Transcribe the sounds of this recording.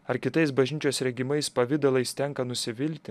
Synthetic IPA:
ɐɾkʲɪt̪ɐɪs̬bɐʒʲnʲɪt͡ʃʲoːsɾʲɛɡʲɪmɐɪspɐʋʲɪd̪ɐlˠɐɪst̪ʲɛŋkɐnʊsʲɪʋʲɪlʲt̪ʲɪ

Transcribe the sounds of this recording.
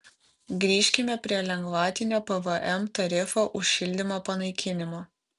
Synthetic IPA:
ɡɾʲiːʃʲkʲɪmʲɛpʲɾʲiɛlʲɛŋɡʋɑːt̪ʲɪnʲoːpɛʋəʔɛmt̪ɐɾʲɪfoːʔʊʃʲʃʲɪlʲd̪ʲɪmoːpɐnɐɪkʲɪnʲɪmoː

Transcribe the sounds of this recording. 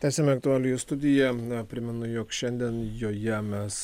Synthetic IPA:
t̪ʲæːsʲeɛmʲɛɐk̚t̪ʊɑːlʲɪjɪst̪ʊd̪ʲɪjɛpʲɾʲɪmʲɛnʊjoːkʃʲɛnʲd̪ʲiɛnjoːjɛmʲɛs

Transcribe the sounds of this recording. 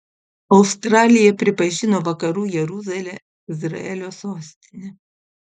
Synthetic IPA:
ɒʊst̪ɾɑːlʲɪjɛpʲɾʲɪpɐʒʲɪnoːʋɐkɐɾuːjɛɾuzɐlʲɛ | ɪzɾɐ̰ɛlʲoːsoːsʲt̪ʲɪnʲɛ

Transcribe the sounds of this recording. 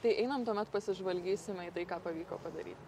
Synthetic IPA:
t̪ɐɪʔɛɪnɐmt̪uɔmʲɛt̪pɐsʲɪʒʋɐlʲɡʲiːsʲɪmʲɛiːt̪ɐɪkɑːpɐʋʲiːko̰ːpɐd̪ɐ̰ɾʲiːt̪

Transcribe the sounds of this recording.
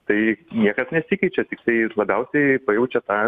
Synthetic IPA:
t̪ɐɪnʲiɛkɐsnʲɛsʲikɐɪt͡ʃʲɛt̪ʲɪk̚t̪ɐɪlˠɐbʲɛʊsʲɛɪpɐjɛʊt͡ʃʲɛt̪ɑː

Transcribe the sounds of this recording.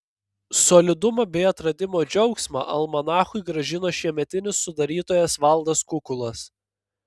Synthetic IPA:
sɔlʲɪd̪ʊmɐbʲɛɪɐt̪ɾɐd̪ʲɪmoːd͡ʒʲɛʊksmɑ̰ʔɐlˠmɐnɑːxʊɪɡɾɐʒʲɪnoːʃʲiɛmʲɛt̪ʲɪnʲɪsːʊd̪ɐɾʲiːt̪oːjɛsʋɐlˠd̪ɐskʊkʊlˠɐs

